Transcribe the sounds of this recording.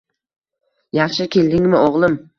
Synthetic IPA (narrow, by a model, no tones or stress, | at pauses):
jɑχʃɪkʲʰe̞ld̪ɪŋmɪoʁlˠɪm